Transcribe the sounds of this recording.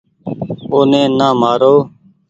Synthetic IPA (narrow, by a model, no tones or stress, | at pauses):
oːnẽːnaːmaːɾoː